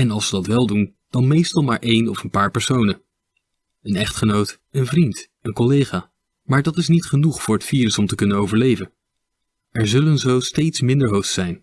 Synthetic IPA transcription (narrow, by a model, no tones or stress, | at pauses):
ɛnɑlˠsədɑtʋɛlˠdun | d̥ɑnmejstɑlˠmaːɹʔejnɔfənpaːɹpɛɹsownə | ənɛχtχənowt | ənvrint | ənkɔlejχaː | maːɹdɑtɪsnitχənuχfʊːɹɦətfiːɾəsɔmtəkɵnənowvəɹlejvən | ɛɹzɵlənzowstejtsmɪndəɹɦowχtsɛjn